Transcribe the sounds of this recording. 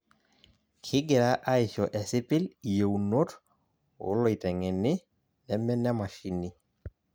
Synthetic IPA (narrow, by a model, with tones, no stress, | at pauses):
kʰɪ˦ɡɛ˨ɾa˦ʔa˦ɪ˨ʃɔ˨ʔɛ˨sɪ˦pɪ˦li˨je˨u˨no˦t | ʊ̰˦lɔ˨i˨tɛ˨ŋɛ˨nɪ˦ | nɛ˦mɛ˦nɛ˦ma˨ʃi˦nɪ˦